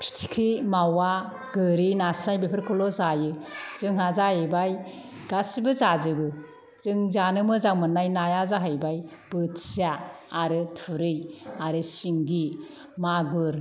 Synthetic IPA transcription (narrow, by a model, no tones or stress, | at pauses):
pʰɾi̥tʰi̥kʰɾimawa | ɡɯɾinasnajbepʰeɾkʰɔlɔzajɯz̥ɯŋɦazaɯbaj | ɡ̥asibɯzazɯbɯ | z̥ɯŋzanɯmɯzaŋmɯnːajnajazaɦajbaj | b̥ɯtiaː | ɾɯtʰuɾɯjaɾɯsiŋɡi | maɡuɾ